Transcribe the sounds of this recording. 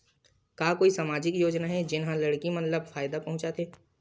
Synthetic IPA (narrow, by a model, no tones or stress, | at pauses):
kaːkoːisamaːd͡ʒɪkjoːd͡ʒnaɦɛd͡ʒɪnɦãlɐɽkimɐ̃nləbfaːjd̪apɐ̃ɦʊ̃t͡ʃat̪ʰeː